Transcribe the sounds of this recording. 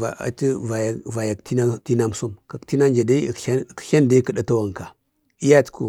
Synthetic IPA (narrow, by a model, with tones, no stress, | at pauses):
a̰˨a̰˨ti˦va˨jva˨ja˨kti˦n˦ti˦na˦m˦su˦mka˨kti˦na˦nd͡ʒa˨da˦˨ḁ˦˨ʃa˦nda˦kə˨ɗa˦ta˦wa˨ŋ˨ka˨ | i˦ja˦tkṵ˨